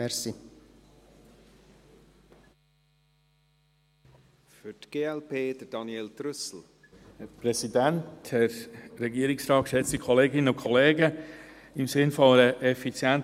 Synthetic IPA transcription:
ɛɾsi | fʏtɡ̥eːɛlpʰeːd̥əd̥ɑnjeːltɾʏsl̩ | pɾɛsidænthɛɾɾɛɡiəɾɪksɾɑːt̚kʃɛt͡stikʰɔleːɡɪnəʊkʰɔleːɡə | ɪmsɪnfɔɾəʔɛfit͡sjænt

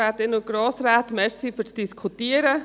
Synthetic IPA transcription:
atɪnuɡ̥ɾoːsɾaːt̪mɛɾsifyːt͡sd̥iskʰutiːəɾə

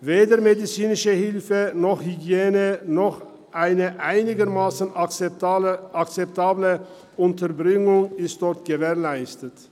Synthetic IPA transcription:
veːdəɐmedit͡siːnɪʃəhɪlfənɔχhyɡjeːnənɔχ | ʔaɪnəʔaɪnɪɡəʁmaːsn̩ | akt͡sɛp̚tʰaːblə | ʔʊntəʁbʁɪŋʊŋɪst̚d̥ɔʁtɡ̥əvɛːɐlaɪstət

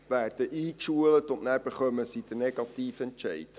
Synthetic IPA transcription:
ʋærdəʔiːkʃuələtɔtnɛrbəχœməsitənɛɡɑtiːfɛntt͡ʃɛjt

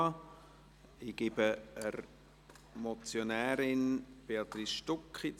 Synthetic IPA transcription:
iɡ̥ɪbəəɾ | mot͡sjonɛːɾɪnb̥eɑt̪ɾisʃtʊkχit͡s

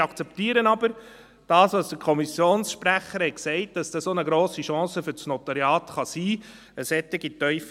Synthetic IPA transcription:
ɑkt͡sɛptiːəɾənɑbəɾ | d̥ɑːsʋɑsd̥əɾkʰɔmisjoːnsʃpɾæχəɾhɛtksɛɪt̚d̥ɑsd̥ɑsonəɡɾoːsiʃɑ̃ːsəfʏɾt͡snɔt̪ɑɾjɑːt̪χɑsiː | əsɛt̪ɪɡitœʏf

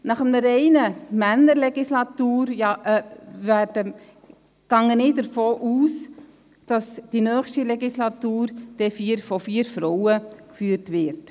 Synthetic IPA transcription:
nɑχəməɾɛɪnəmænːəɾlɛɡislɑt̪uːɾjɑʔɛvæːɾdə | ɡ̥ɑŋənɪːdəɾfoːʔuːs | d̥ɑsd̥inœːχʃtilɛɡislɑtuːɾd̥ɛfiːɾfɔfiːəɾfɾɔwəkfyːɾtʋɪɾt

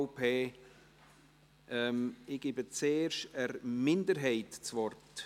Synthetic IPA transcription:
ʊpʰeː | ʔɛmɪɡ̥ɪbət͡seːrʃəɾmɪndəɾɦɛɪtt͡svɔrt

